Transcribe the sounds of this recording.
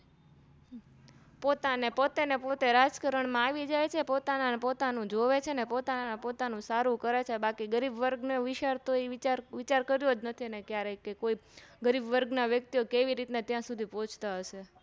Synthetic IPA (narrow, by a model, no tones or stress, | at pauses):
pot̪anepot̪enepot̪eɾad͡ʒkəɾəɳmãaʋid͡ʒajt͡ʃʰepot̪ananpot̪anũd͡ʒoʋet͡ʃʰenepot̪ananapot̪anũsaɾũkəɾet͡ʃʰebakiɡəɾibʋəɾɡneʋiʃaɾt̪oit͡ʃaɾʋit͡ʃaɾkəɾjod͡ʒnət̪ʰinekjaɾekekoiɡəɾibʋəɾɡnaʋjək̚t̪ijokeʋiɾit̪net̪jãsud̪ʱipõt͡ʃʰt̪aɦəʃe